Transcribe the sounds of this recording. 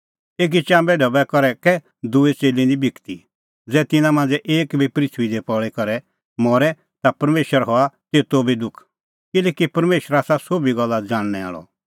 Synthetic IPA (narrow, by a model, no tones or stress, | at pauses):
eːk̬it͡ʃãːmbɛɖʱɔbɛkɔɾɛkɛ | d̪ʊet͡seːlĩnd̪ibʱɪkt̪i | d͡zɛːt̪ɪnãmãːnd͡zɛʔeːkbʱipɾɪt̪ʰʋid̪epɔɭɛkɔɾɛ | mɔːɾɛ | t̪apɐɾmeːʃəɾɦɔat̪eːt̪obʱid̪ʊkʰ | kɪlɛːkipɐɾmeːʃəɾaːsasoːbiɡɔlːad͡zaːɽ̃nɛa̰ːɭɔ̰